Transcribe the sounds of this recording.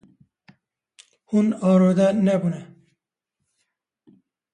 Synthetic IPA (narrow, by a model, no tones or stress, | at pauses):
hunɑːɾod̪anɛbunɛ